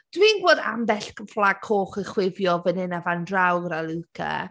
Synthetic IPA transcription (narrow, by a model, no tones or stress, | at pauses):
d̥wiːnɡwoːda̰mbɛɬkəflˠaɡ̥ʰoːχəχwɪvjɔvənɪnavandrawɾalukʰa̰